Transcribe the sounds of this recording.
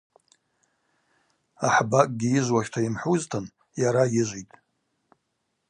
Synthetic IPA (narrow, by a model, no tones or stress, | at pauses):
aħbakʼɡʲiɪʒʷwaʃtʰaimħuztʰɨn | jaɾajɪʒʷitʼ